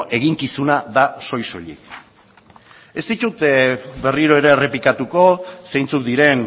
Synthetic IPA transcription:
ʔe̞ɣ̞iŋkisunaðaso̞jso̞ʎḭk | e̞st̪it̪ut̪be̞riɾo̞e̞ɾe̞re̞pikat̪uko̞sejnt͡sukd̪iɾe̞n

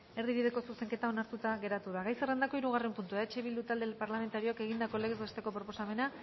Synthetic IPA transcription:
e̞ɾðiβiðe̞ko̞suse̞ŋke̞t̪ao̞naɾt̪ut̪aɣe̞ɾat̪uð̞aɣajserend̪ako̞iɾuɣ̞are̞mpunt̪uaet͡ʃe̞βild̪ut̪ald̪e̞paɾlame̞nt̪aɾio̞ake̞ɣ̞ind̪ako̞le̞ɣezβest̪e̞ko̞pɾo̞po̞same̞na

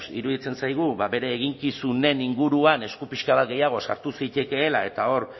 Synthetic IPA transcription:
sḭɾuðit͡se̞nsajɣ̞uβaβe̞ɾe̞ːɣ̞iŋkisune̞niŋɡuɾuane̞skupiʃkaβat̪̚ɡe̞jaɣ̞o̞sa̰ɾt̪usijt̪e̞ke̞ːlae̞t̪ao̞ɾ

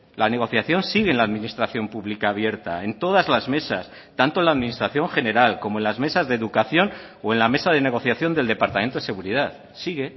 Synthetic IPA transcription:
lane̞ɣ̞o̞θjaθjo̞nsiɣenlaðmĩnist̪ɾaθjo̞mpuβlikaːβje̞ɾt̪a̰e̞nt̪o̞ð̞azlazme̞sas | t̪ant̪onlaðminist̪ɾaθjo̞ŋxe̞ne̞ɾalko̞moenlazme̞sazðeðukaθjo̞n | oe̞nlame̞saðe̞ne̞ɣ̞o̞θjaθjo̞nd̪eld̪e̞paɾt̪ament̪oðese̞ɣuɾið̞aθ | siɣe̞

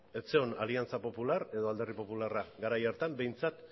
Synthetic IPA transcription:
e̞t͡se̞o̞na̰liant͡sapo̞pulare̞ðo̞ald̪e̞ripo̞pularaɡaɾajaɾt̪ambe̞jnt͡sat̪

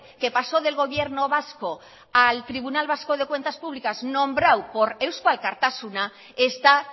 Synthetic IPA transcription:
ke̞paso̞ðe̞lɣo̞β̞je̞ɾno̞βasko̞ | alt̪ɾiβunalβasko̞ð̞ekwe̞nt̪aspuβ̞likaznõmbɾawpo̞ɾewskwalkaɾt̪asuna | est̪a

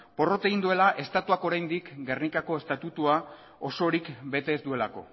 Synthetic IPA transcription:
po̞ro̞t̪e̞ɣind̪ue̞laʔe̞st̪at̪uako̞ɾajnd̪ikɡe̞rnikako̞e̞st̪at̪ut̪ua | o̞so̞ɾikbe̞t̪e̞ːzd̪ue̞lako̞̰

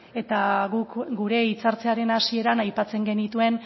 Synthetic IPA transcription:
e̞t̪aɣukɡuɾe̞it͡saɾt͡se̞aɾe̞nasie̞ɾanajpat͡se̞ŋɡe̞nit̪ue̞n

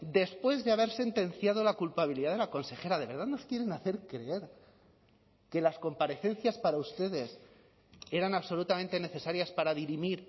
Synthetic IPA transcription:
d̪e̞spwe̞zðeaβ̞e̞ɾse̞nt̪ẽ̞nθjað̞o̞lakulpaβ̞iliðaðelako̞nse̞xe̞ɾað̞e̞βe̞ɾðaðno̞skje̞ɾe̞naθe̞ɾkɾe̞e̞ɾ | ke̞lasko̞mpaɾe̞θe̞nθjaspaɾaust̪e̞ðe̞s | e̞ɾanaβso̞lut̪ament̪e̞ne̞θe̞saɾjaspaɾaðiɾimiɾ

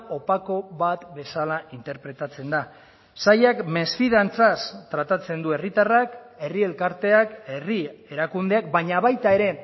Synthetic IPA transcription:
o̞pako̞βat̪be̞salaʔint̪e̞ɾpɾe̞t̪at͡se̞nd̪a | sajakme̞sfiðant͡sast̪ɾat̪at͡se̞nd̪ue̞rit̪arak | e̞rie̞lkaɾt̪e̞ake̞rie̞ɾakund̪e̞ak̚baɲaβajt̪ae̞ɾe̞

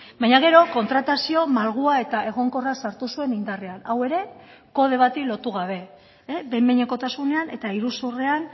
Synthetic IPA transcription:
bajɲaɣ̞e̞ɾo̞ko̞nt̪ɾat̪asio̞malɣ̞uae̞t̪ae̞ɣ̞o̞ŋko̞rasaɾt̪usue̞nind̪areanawe̞ɾe̞ | ko̞ðe̞β̞at̪ilo̞t̪uɣaβ̞e̞ | bemeɲeko̞t̪asune̞ane̞t̪aiɾusurean

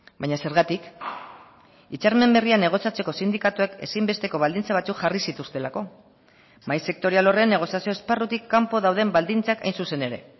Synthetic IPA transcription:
bajɲase̞ɾɣat̪ik | it͡ʃaɾme̞mbe̞riane̞ɣ̞o̞sjat͡se̞ko̞sind̪ikat̪ueke̞̰simbe̞st̪e̞ko̞βald̪int͡saβ̞at͡sukʝarisit̪ust̪e̞lako̞ | majse̞k̚t̪o̞ɾialo̞renːe̞ɣ̞o̞sjasio̞esparut̪ikːampo̞ðawðe̞mbald̪int͡saka̰jnsuse̞ne̞ɾe̞̰

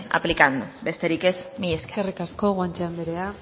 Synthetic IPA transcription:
a̰plikand̪ube̞st̪e̞ɾike̞zmieske̥erikasko̞ɣwant͡ʃeand̪eɾea

